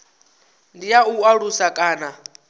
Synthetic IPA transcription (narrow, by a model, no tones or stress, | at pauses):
ndijauaɺusakʼaːna